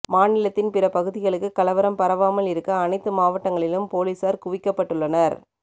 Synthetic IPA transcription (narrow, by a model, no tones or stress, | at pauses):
maːnɪlɐt̪ːɪnpɪɾɐpɐɣɯðɪɣɐɭɯkːɯkːɐlɐʋɐɾɐmpɐɾɐʋaːmɐlɪɾɯkːɐɐnɐɪt̪ːɯmaːʋɐʈːɐŋɡɐɭɪlɯmpoːliːsaːɾkʊʋɪkːɐpːɐʈːɯɭːɐnɐɾ